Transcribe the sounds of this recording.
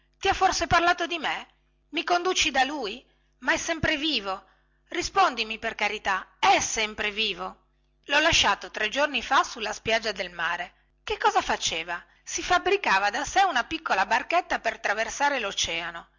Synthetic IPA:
t̪iafːorseparlaːt̪od̪ime | mikond̪uːt͡ʃid̪aluj | maɛsːɛmpɾeviːvo | rispond̪imiperkaɾit̪aɛsɛmpɾeviːvo | lɔlaʃːaːt̪ot̪ɾɛd͡ʒornifasulːaspjad͡ʒːad̪elmaːɾe | kekːɔːzafat͡ʃeːva | sifabɾikaːvad̪asɛunapikːolabarkɛt̪ːapert̪ɾaversaːɾelot͡ʃɛːano

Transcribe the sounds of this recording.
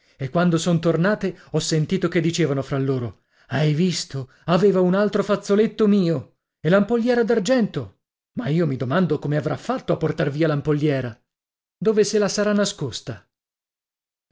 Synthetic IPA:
ekːwand̪osont̪ornaːt̪eɔsːent̪iːt̪oked̪ːit͡ʃeːvanofɾalːoːɾo | ajvist̪o | aveːvaunalt̪ɾofat̪sːolet̪ːomiːo | elampolːjɛːɾad̪ard͡ʒɛnt̪o | maiːomid̪omand̪okomeavɾafːat̪ːoapːort̪arviːalampolːjɛːɾa | d̪oːveselasaɾanːaskost̪a

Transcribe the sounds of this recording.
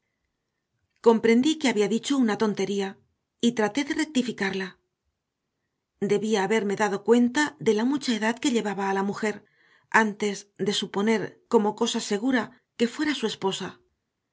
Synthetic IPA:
ko̞mpɾe̞nd̪ikeaβiaðit͡ʃo̞unat̪o̞nt̪e̞ɾia | it̪ɾat̪eðe̞re̞k̚t̪ifikaɾla | d̪e̞βiaːβe̞ɾme̞ðaðo̞kwe̞nt̪aðe̞lamut͡ʃae̞ðaðke̞ʎe̞βaβaːlamuxe̞ɾ | ant̪e̞zðe̞supo̞ne̞ɾko̞mo̞ko̞sase̞ɣ̞uɾa | ke̞fwe̞ɾasue̞spo̞sa

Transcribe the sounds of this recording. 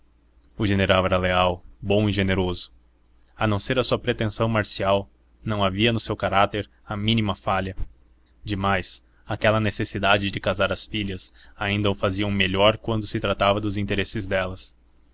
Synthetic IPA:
ʊʒeneɾawɛɾɐleawbõw̃ɪʒeneɾozʊ̥ | ɐnɐ̃w̃seɾɐsuɐpɾet̪ẽsɐ̃w̃maɾsiaw | nɐ̃w̃aviɐnʊsewkaɾat̪eɾ | ɐmĩnimɐfaʎɐ | d͡ʒɪmajs | akɛlɐnesesid̪ad͡ʒɪd͡ʒɪkazaɾɐsfiʎɐsaĩnd̪ɐʊfaziɐũmeʎɔɾkwɐ̃nd̪ʊsɪt̪ɾat̪avɐd̪ʊzĩnt̪eɾesɪzd̪ɛlɐs

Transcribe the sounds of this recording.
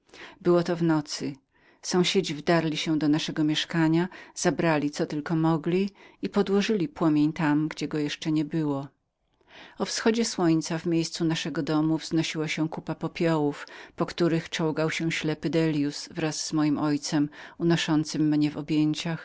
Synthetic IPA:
bɘwɔt̪ɔvnɔt̪sɘ | sɔ̃w̃ɕed͡ʑivd̪aɾlʲiɕɛ̃d̪ɔnaʂɛɡɔmʲjɛʂkaɲaz̥abɾalʲit̪sɔt̪ɘlkɔmɔɡlʲiipɔd̪wɔʐɘlʲipwɔmʲjeɲt̪amɡd͡ʑɛɡɔjɛʂt͡ʂɛɲɛbɘwɔ | ɔfsxɔd͡ʑɛswɔɲt̪savmʲjejst̪sunaʂɛɡɔd̪ɔmuvz̥nɔɕiwaɕɛkupapɔpʲjɔwufpɔkt̪uɾɘxt͡ʂɔwɡawɕɛɕlɛpɘd̪ɛlʲjusvɾaz̥ːmɔjimʔɔjt̪sɛmunɔʂɔnt̪sɘmːɲɛvɔbʲjeɲt͡ɕax

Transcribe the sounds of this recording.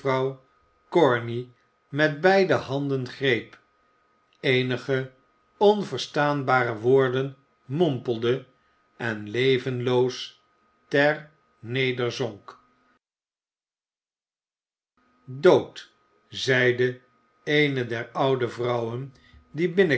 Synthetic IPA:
rɑw | kɔɹni | mɛd̚bɛjdəɦɑndənχrejp | ejnəχə | ɔnvəɹstaːnbaːrəʋʊːɹdən | mɔmpəl̩ˠdə | ɛnlejvənlows | tɛɹ | nejdəɹzɔŋk | dowt | zɛjdə | ejnədɛɹʌwdəvrʌwən | dibɪnə

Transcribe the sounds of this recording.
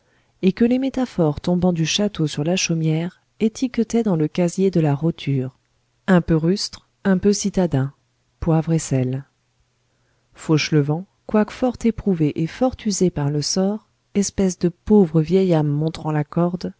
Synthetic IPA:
ekəlemet̪afɔʁt̪ɔ̃bɑ̃d̪yʃat̪osyʁlaʃomjɛʁ | et̪ʰikət̪ɛd̪ɑ̃ləkazjed̪əlaʁot̪ʰyːʁ | ɛ̃pøʁyst̪χ | ɛ̃pøsit̪ad̪ɛ̃ | pwavʁesɛl | foʃləvɑ̃ | kwakfɔʁt̪epχuveʔefɔʁt̪yzepaʁləsɔʁ | ɛspɛsd̪əpovʁəvjɛjamːɔ̃t̪χɑ̃lakɔʁd̪

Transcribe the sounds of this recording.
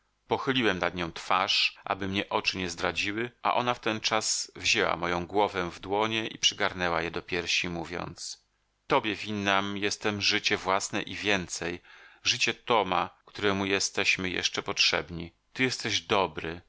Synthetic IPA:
pɔxɘlʲiwɛmnad̪ɲɔ̃w̃t̪faʂʔa̰bɘmɲɛʔɔt͡ʂɘɲɛzd̪ɾad͡ʑiwɘʔa̰ʔɔnaft̪ɛnt͡ʂasvʑɛwa̰mɔjɔ̃w̃ɡwɔvɛvd̪wɔɲɛʔipʂɘɡaɾnɛwajɛd̪ɔpʲjɛɾɕimuvʲjɔ̰nt̪s | t̪ɔbʲjɛvʲinːamjɛst̪ɛmʐɘt͡ɕɛvwasnɛ̰ʔivʲjɛnt̪sɛjʐɘt͡ɕɛt̪ɔmakt̪uɾɛmujɛst̪ɛɕmɘjɛ̰ʂt͡ʂɛpɔtʂɛ̰bɲi | t̪ɘjɛst̪ɛʑd̪ɔbɾɘ

